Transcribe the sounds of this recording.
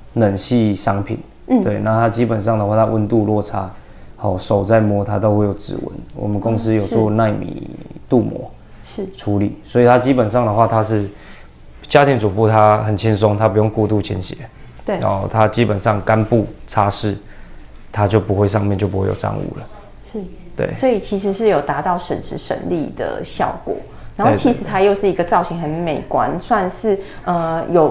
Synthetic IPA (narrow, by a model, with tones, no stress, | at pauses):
nə˨˩nɕi˥˧ʂɑ˥ŋpʰḭ˨˩˦n | t̪we˥˩ɪna˥˩t̪ʰa˦t͡ɕi˦˥pə˨˩nʂɑ˥˩ŋd̪ə˨wa˥˩t̪ʰa˧ʔwə˧˦nt̪u˥˧lwɔ˥˨ʈ͡ʂʰa˥ | hɔ˨˩ʂo˨˩ʊt͡sa˥˩ɪmwɔ˧˥t̪ʰa˦t̪o˥˧ʊxwe˥˩ɪjo˨˩ʊʈ͡ʂɻ̩̰˧˥˦wə̰˧˦nwɔ̰˨˩mə˦nkʊ˦˥ŋs̩˦jo˨˩t͡swɔ˥˧na˥˧˩ɪmḭ˨˩t̪u˥˨mwɔ̰˧˥ | ʈ͡ʂʰu˧˥li˨˩swɔ˧˥i˨˩t̪ʰa˥t͡ɕi˦˥pə˨˩nʂɑ˥˩ŋd̪ə˩xwa˥˨t̪ʰa˦˥ʂɻ̩˥˩ | t͡ɕja˦˥t̪ʰi˧˥ŋt͡su˨˩pu˥˧t̪ʰa˦˥xə˨˩nt͡ɕʰi˦nsʊ˦ŋt̪ʰa˦pu˨˦jo˥˧ŋku˥˧t̪u˥˧˩t͡ɕʰḭ˧˦nɕjɛ˨˦ | t̪ã̰˦ŋxo˥˧ʊt̪ʰa˦t͡ɕi˦pə˨˩nʂɑ˥˨˩ŋka˦npu˥˩t͡sʰa˦ʂɻ̩˥˩ | t̪ʰa˦t͡ɕjo˥˩ʊpu˨˥xwe˥˧ɪʂɑ˥˧ŋmjɛ˥˨˧nt͡ɕjo˥˩pu˦we˥˩jo̰˨˩ʈ͡ʂa̰˥˧ŋṵ˥˩lə˩ | ʂ̩˥˩t̪wḛ˥˩ɪswɔ˧˥i˨˩t͡ɕʰi˧˥ʂ̬ɻ̩˧˥ʂɻ̩˥˩jo˨˩ʊt̪a˧˥t̪ɑ˥˩ʊʂə˨˩nʂɻ̩˧˥ʂə̰˧˥nli˥˧d̪ə̰˩ɕjɑ̰˥˩ʊkwɔ̰˨˩˦ | na˨˧nhoe˥˧˨t͡ɕʰi˧˥ʂɻ̩˧˥˦t̪ʰa˥jo˥˧ʊʂɻ̩˥˩i˧˥ɡə˧t͡sɑ˥˩ʊɕi˧˥ŋxə˧˦nme˨˩ɪkwa̰˦nswa˥˧nʂɻ̩˥˩ə˧jo˨˩ʊ